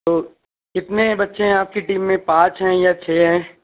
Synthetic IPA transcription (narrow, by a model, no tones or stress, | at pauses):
t̪oː | kɪt̪nebɐtːʃʰeɦɛ̃aːp̚kiʈiːmːẽpãːt͡ʃɦɛ̃jat͡ʃʰeːɦɛ̃ː